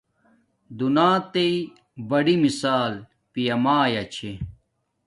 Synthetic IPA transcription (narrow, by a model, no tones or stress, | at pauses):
d̪unaːt̪ei | bɐɽimisaːl | pijɐmaːjɐt͡ɕʰe